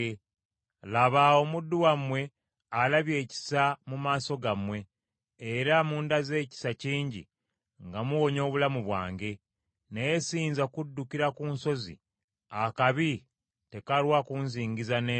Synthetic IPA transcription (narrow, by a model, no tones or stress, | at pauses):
laβaomudːuwamwe̞ | alaβje̞ːci̥samumaːso̞ɡamwe̞ː | ɾamuːndaze̞ːci̥saciːɲɟḭ | ŋɡamuwo̞ɲo̞ːβulamuβwa̰ːŋɡe̞ | nejesiːnzakudːukiɾakuːnso̞zḭ | akaβi | te̞kalwakunziːŋɡizane